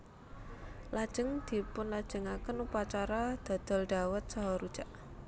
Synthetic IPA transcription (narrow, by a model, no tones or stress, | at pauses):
lad̥ʒ̥ə̤ŋd̪̥i̤pʊnlad̥ʒ̥ə̤ŋakənupat͡ʃaɾad̪̥a̤d̪̥ɔ̤lɖ̪̥a̤wət̪̚sɔɦɔɾud̥ʒ̥a̤ʔ